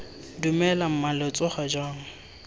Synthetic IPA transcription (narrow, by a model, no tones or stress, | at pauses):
dumɛlam̩malɔt͡sʼɔχad͡ʒaːŋ̩